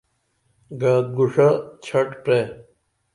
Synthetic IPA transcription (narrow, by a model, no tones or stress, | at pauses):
ɡaːt̪̚ɡuʂat͡ɕʰɐʈpɾe